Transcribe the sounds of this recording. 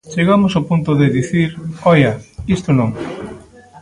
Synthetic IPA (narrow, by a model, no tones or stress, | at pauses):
t͡ʃeɣamosopunt̪oðɪðiθiɾɔjɐist̪onõŋ